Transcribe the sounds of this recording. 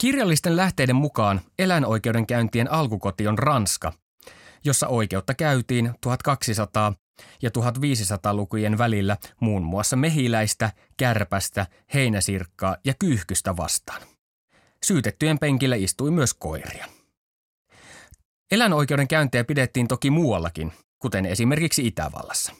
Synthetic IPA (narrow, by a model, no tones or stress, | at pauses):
kirjɑlːist̪e̞nlæht̪e̞jdemmukɑːne̞læno̞jk̟e̞ude̞ŋkæynt̪ienɑlkuko̞t̪ionrɑnskɑ̰ | jo̞sːɑ̰ʔo̞jke̞ut̪ːɑkæyt̪iːnt̪uɦɑt̪kɑksisɑt̪ɑː | jɑt̪uɦɑt̪ʋiːs̬isɑt̪ɑːlukujenʋælilːæmuːnmuɑsːɑme̞ɦilæjst̪æ | kærpæst̪æ | he̞jnæsirkːɑːjɑkyhkyst̪æʋɑ̰st̪ɑ̥ːn | syːt̪et̪ːyjempeŋkilːæist̪ujmyøsko̞̰irḭɑ | e̞læno̞jke̞ude̞ŋkæynt̪ejæpidet̪ːiːnt̪okimuɑlːɑkin | kut̪e̞ne̞sime̞rkiksiit̪æ̰ʋɑ̰lːɑsːɑ̥